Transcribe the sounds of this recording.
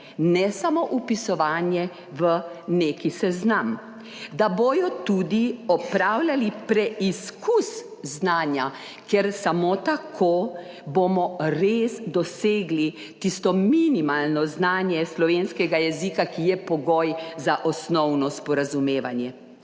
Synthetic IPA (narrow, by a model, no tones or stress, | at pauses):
nɛsamoʔupisɔʋanjɛ | ʋənekisɛznam | d̪abojɔt̪ud̪iɔpɾawlʲalipɾɛʔiskus | znaːnja | kɛɾsamot̪akʰoː | bomɔɾeːsd̪ɔseːɡli | t̪ist̪ɔminimalnɔznaːnjɛslɔʋenskɛɡajɛzikakijɛpɔɡɔjzaʔɔsnɔwnɔspɔɾazumeːʋanjɛ